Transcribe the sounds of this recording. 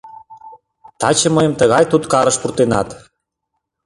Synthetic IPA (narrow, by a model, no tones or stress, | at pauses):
t̪ɑt͡ɕəməjəmt̪əɣɑjt̪ut̪kɑɾə̆ʃpurt̪enɑt̪